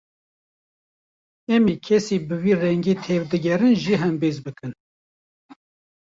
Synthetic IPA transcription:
ɛmiːkʰɛsiːbɨwiːrɛŋɡiːt̪ʰeːvd̪ɨɡɛɾɨnʒiːɦɛmbezbɨkɨn

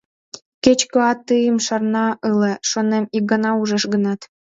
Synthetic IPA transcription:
ket͡ɕkoɑt̪ːɯjəmʃɑrnɑəleʃonemik̚ɡɑnɑuʒə̆ʃɣənɑt̪

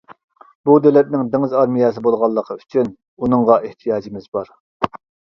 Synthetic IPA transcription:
bud̪ølɛt̪̚nɪŋd̪ɪŋɪzɑɾmijɛsɪbolˠʁɑlˠːəqʰəyt͡ʃʰyn | unɨŋʁɑʔeht̪ʰijɑːd͡ʒimɪzbɑɾ

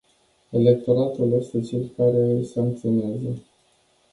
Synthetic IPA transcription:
e̞le̞k̚t̪o̞ɾat̪ulost̪et͡ʃelkaɾe̞saŋk̚t̪sio̞neazə

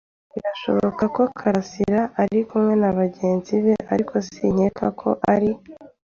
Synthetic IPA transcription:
iɾaʃo̞̰βo̞̰kako̞kʰaɾasiɾaaɾikumŋe̞naβaɟe̞ːnziβe̞ʔaɾikʰo̞siɲe̞kʰakʰo̞̰ʔaɾi

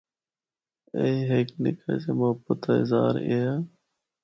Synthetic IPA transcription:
eːɦeːknɪ̰kʰa̰seːmʊɦəbət̪ːɪzaːɾeaː

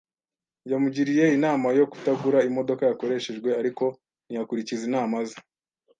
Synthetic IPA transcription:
jamuɟiɾije̞inaːmajo̞ku̥taɡuɾaimo̞do̞kajako̞ɾe̞ʃe̞ʒɡwe̞aɾiko̞ | nijakuɾicizinaːmaza

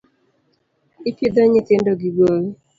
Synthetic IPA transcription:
ipjed̪ɔɲɪtendɔɡiɡɔɾi

